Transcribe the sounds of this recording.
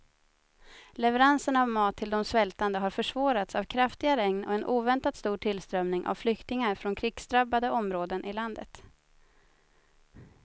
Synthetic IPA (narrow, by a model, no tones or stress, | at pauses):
lɛvɛɾansənavmɑːt̪ʰːɪld̪ɔmsvɛlt̪and̪əɦaɾfœʂvɑːɾat̪savkʰɾaft̪ɪɡaɾɛŋnɔ̰ɛnʔuːvɛnt̪at̪st̪uːʈʰɪlst̪ɾœmnɪŋʔa̰vflʏkt̪ɪŋaɾfɾɔnkʰɾɪɡ̥sd̪ɾabːad̪əʔɔmɾoːd̪ənʔɪland̪ə̰t̪